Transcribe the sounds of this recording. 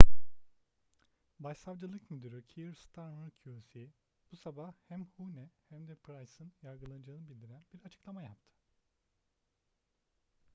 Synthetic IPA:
baʃsavd͡ʒɯlˠɯkmyd̪yɾycʰiɾst̪ʰaɾmaɾcʰuosi | b̥usabahhæmhunɛhæmd̪ɛpɾajsɯnjaɾɡɯlˠanɯd͡ʒaɯːnɯbilʲd̪iɾænbiɾat͡ʃʰɯ̥klˠamajap̚t̪ʰɯ̥

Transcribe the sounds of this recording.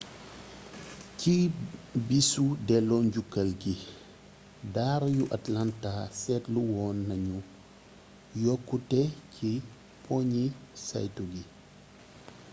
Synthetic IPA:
cibisudɛlɔːnɟukːɐlɡi | daːɾjuʔatlantaːsɛtluwɔːnːɐɲu | jɔkːutɛcʰi | pɔɲisa̰jtuɡi

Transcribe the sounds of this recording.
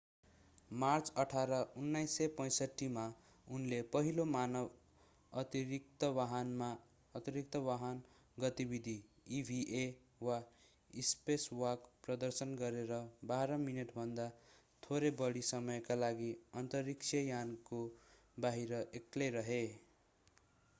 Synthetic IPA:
mart͡sʌʈʰaɾʌunːajsːʌjpʌj̃sʌʈːima | unlepʌɦilomanʌb | ʌt̪iɾik̚t̪ʌwaɦʌnma | ʌt̪iɾik̚t̪ʌwaɦʌn | ɡʌt̪ibid̪ʱi | ibʱiʔe | wa | ispeswʌkprʌd̪ʌrsʌnɡʌɾeɾʌbaɾʌmineʈbʱʌnd̪a | t̪ʰoɾebʌɽisʌmʌjkalaɡiʌnt̪ʌriksʰʌjanko | baɦiɾʌʔekleɾʌɦe

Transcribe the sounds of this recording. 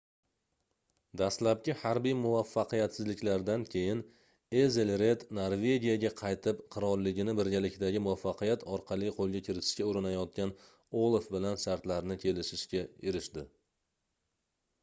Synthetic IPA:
d̪aslap̚kʲɪhaɾbijmʊvafːɑqɨjat̪sɪzlɪkʲlaɾd̪ankʲʰe̞jɪn | ezelɾe̞t̪noɾve̞ɡʲijaɡʲaqʰɑjt̪ʰɪpqʰɨɾɒɾlɪɡʲɪnɪbɪɾɡʲalɪkʲd̪aɡʲɪmʊvafːɑqʰɨjat̪ʰɒɾqʰɑlɪjqʰolˠɡʲakʲʰɪɾɪt̪ʰɪ̥ʃkʲaʊɾɪnajɒt̪̚kʲan | olˠfbɪlanʃaɾt̪laɾnɪkʲʰe̞lɪʃɪʃkʲaɪɾɪʃd̪ɪ

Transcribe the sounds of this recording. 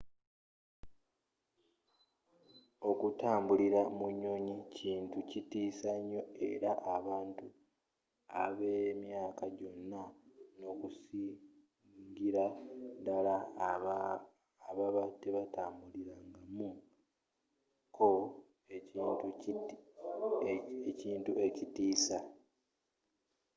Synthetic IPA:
o̞kutaːmbuliɾamuɲoɲicʰiːntucitiːsaɲːo̞e̞̰ɾaʔaβaːntu | a̰βemjaːkaɟo̞nːano̞kusi | ŋɡiɾadala | βaβatːe̞βataːmbuliɾaːŋɡamu | kʰo̞ | itu | eciːntue̞citiːsa

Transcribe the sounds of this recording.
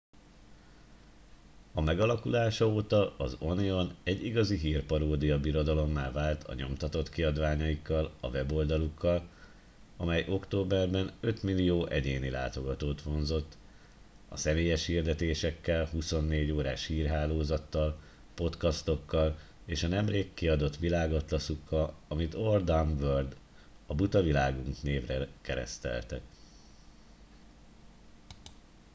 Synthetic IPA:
ɒmɛɡɒlɒkulaːʃɒoːt̪ɒɒzo̞nio̞nɛɟːiɡɒziɦiːrpɒɾoːd̪ijɒbiɾo̞d̪ɒlo̞mːaːvaːlt̪ʰɒ̰ɲo̞̰mt̪ɒt̪o̞t̪kiɒd̪ʋaːɲɒjikːɒlɒ̰vɛbo̞ld̪ɒlukːɒl | ɒmɛjʔo̞kt̪oːbɛrbɛnø̞t̪milijoːʔɛɟeːnila̰ːt̪o̞ɡɒt̪oːt̪ʋo̞nzo̞t̪ː | ɒ̰sɛmeːjɛʃhird̪ɛt̪eːʃɛkːɛlɦuso̞nːeːɟoːɾaːʃhiːrɦaːloːzɒt̪ːɒl | po̞t̪kɒst̪o̞kːɒl | eːʃɒnɛmreːkːiɒd̪o̞t̪ʋilaːɡo̞t̪lɒsukːɒɒmit̪o̞rd̪aɱvørd̪ | ɒbut̪ɒvilaːɡuŋkneːvrɛkɛɾɛ̰st̪ɛ̰lt̪ɛ̰

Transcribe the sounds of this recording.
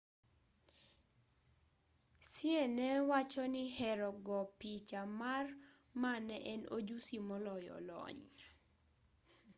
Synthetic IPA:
sjenɛwat͡ʃɔnɪhɛɾɔɡɔpit͡ʃamar | manɛʔɛnod͡ʒusimɔlɔjɔ̰lɔ̰ɲ

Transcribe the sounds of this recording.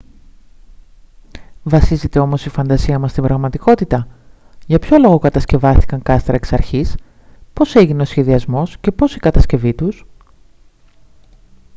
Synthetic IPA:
vɐsize̞t̪e̞omo̞sifɐnd̪ɐsiɐmɐst̪ibɾɐɣmɐt̪iko̞t̪it̪ɐ | ʝɐpço̞lo̞ɣo̞kɐt̪ɐsce̞vɐst̪i̥kɐŋkɐst̪ɾɐeksɐɾçis | po̞se̞ʝine̞o̞sçe̞ðiɐzmo̞sce̞po̞sikɐt̪ɐsce̞vit̪us

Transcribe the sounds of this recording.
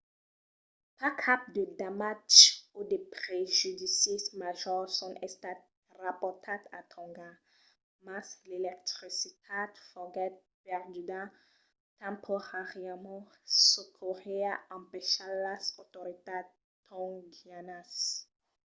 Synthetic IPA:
pakʰap̚d̪əd̪amatt͡ʃod̪epχeʒyd̪isismaʒɔʁsɔ̃ɛst̪at̪ | ʁapɔʁt̪ʰat̪a̰t̪ʰɔ̃ŋɡa | maslelɛk̚t̪χisit̪ʰad̪fɔɡɛt̪̚ | pɛʁd̪yd̪ã | t̪ɛ̃mpʰoʁaʁjamɑ̃sukʰoʁeaɑ̃mpeʃalasot̪oʁit̪ad | t̪ʰɔ̃ŋɡianas

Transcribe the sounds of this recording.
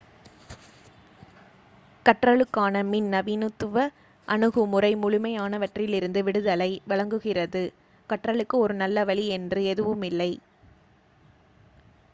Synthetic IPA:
kɐʈrɐɭɯkːaːnɐmɪnnɐʋiːnɯt̪ːɯʋɐ | ʔɐnɯɣɯmʊrɐɪmʊɻʊmɐjaːnɐʋɐʈrɪjlɪɾɯnd̪ɯʋɪɽɯðɐlɐɪʋɪɭɐŋɡɯɣɪrɐðɯ | kɐʈrɐɭɯkːɯɔɾɯnɐlːɐʋɐɭiɛndrɯɛðɯʋɯmɪlːɐɪ

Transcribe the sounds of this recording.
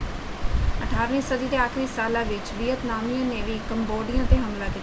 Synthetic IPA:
əʈʰaːɾʋẽːsəd̪iːd̪eːaːkʰɾiːsaːlãːʋɪt͡ʃʋiːət̪naːmijãːneːʋiːkəmboːɖɪjãːt̪eːɦəmlaːkit̪ː

